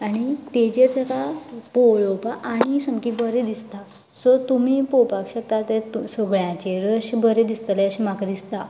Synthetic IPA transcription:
aɽ̃it̪ed͡ʑeɾd͡zəkapoɭopaʔaɽ̃isəŋkibəɾed̪ist̪a | sɔt̪um̤iːpopakɕək̚t̪at̪et̪usoɡɭjãt͡ɕeɾəɕibəɾed̪ist̪əleəɕimakd̪ist̪a

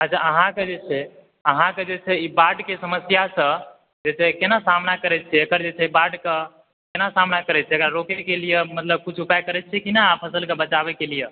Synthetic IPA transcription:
ad͡ʒʰaəɦãked͡ʒet͡ʃʰɛ | əɦãked͡ʒet͡ʃʰɛibaɖkesəməsjasə̃ | d͡ʒet͡ʃʰɛkenasamnakəɾɛt͡ʃʰɛəkəɾd͡ʒet͡ʃʰɛbaɖke | kenasamnakəɾɛt͡ʃʰɛəkɾaɾokekelijemət̪ləb̚kut͡ʃʰupajkəɾɛt͡ʃʰɛkinapʰəsəlkebət͡ʃaβɛkelije

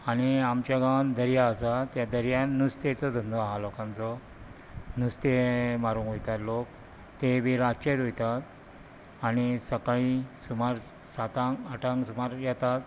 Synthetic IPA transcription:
aniamt͡ɕaɡãnd̪ʱəɾjaəsat̪jad̪əɾjanust̪et͡sɔd̪ʱənd̪ɔaɦalɔkãnt͡sɔ | nust̪emaɾũnɦojt̪at̪lok | t̪ebiɾat͡ɕet̪ɦojt̪at̪ | anisəkaisumaɾ | sat̪ãŋaʈʰãŋɡsumaɾjɛt̪at̪

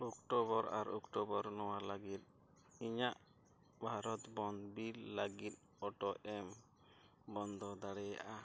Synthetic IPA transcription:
ɔkʈɔβɔɾa̰ɾɔkʈɔbɔɾnɔwalaɡit̪̚ | iɲaʔ | bʱaɾɔt̪bɔnd̪billəɡit̪̚ | ɔʈɔʔɛm | bɔnd̪ʱɔd̪aɽɛja̰ʔa

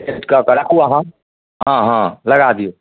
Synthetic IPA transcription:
ɪʈkakɐɽakuaɦã | ɦãːɦãlɐɡad̪io

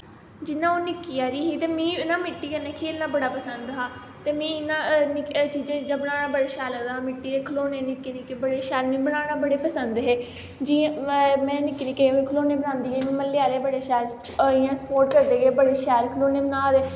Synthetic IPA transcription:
d͡ʒɪnãːoːnɪkiaːɾiːɦiːt̪eːmĩːɪnãːmɪʈːiːkənẽːkʰeːlnãːbəɽaːpəsənd̪ɦaː | t̪eːmɛ̃ːɪnãːnɪkt͡ʃiːd͡ʒãːd͡ʒãːbəɽ̃aːɽãːbəɽaːʃɛːlə̃ːd̪aaːmɪʈːiːeːkʰloːnẽːnɪkːeːnĩːkebəɽeːʃɛːlnĩːbəɽãːɽaːbəɽeːpəsənd̪ɦeː | d͡ʒĩmɛ̃ːnɪkːniːkẽẽkʰəloːnẽːbənãːnd̪iːɡeːmĩːməlːeaːleːbəɽeːʃɛːɾ | ɪjãːsə̥poːɾʈ̚kəɾd̪eːɡeːbəɽeːʃɛːɾkʰəloːneːbənaːɾeː

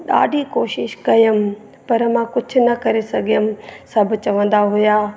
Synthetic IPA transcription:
ɗa̰ːɖʱikoːʃɪʃkɐjəm | pɐɾmãkʊd͡ʒʱʊ̆nɐkɐɾesɐɡʱijəmsɐbʱt͡ʃɐʋə̃nd̪aɦʊjaː

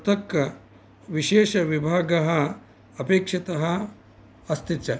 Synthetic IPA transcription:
t̪ɐkːɐ | ʋiʃeːʃɐʋibʱaːɡɐɦɐ | ɐpeːkʂɐt̪ɐɦɐ | ɐst̪it͡ʃɐ

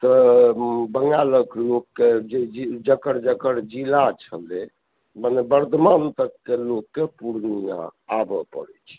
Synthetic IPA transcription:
t̪ɔ | bəŋɡaləklokːed͡ʒeid͡ʒəkəɽd͡ʒəkəɽd͡ʒilat͡ʃʰəle | mənebəɾd̪ʱmant̪əkːelokːepuɾnijã̰abɔpə̰ɾɛt͡ʃʰɛ̥

